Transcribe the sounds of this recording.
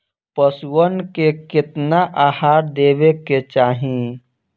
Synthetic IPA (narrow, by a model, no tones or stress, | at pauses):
pəswənkekɪt̪naʔaːhaːɾd̪eːʋeket͡ʃaːɦĩ